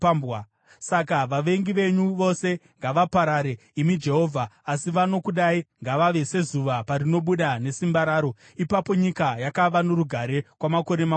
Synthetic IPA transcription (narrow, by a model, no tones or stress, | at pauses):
b | sakaʋaʋe̞ŋɡiʋe̞ɲuʋo̞se̞ŋɡaʋapaɾaɾe̞ | imid͡ʒe̞ɦo̞ːvʱaːsiʋano̞kuɗaiŋɡaʋaʋe̞se̞zuʋaparino̞ɓuɗane̞simbaɾaːɾo̞ | ipapo̞ɲikajakaʋanoɾuɡʱaɾe̞kwamako̞ɾema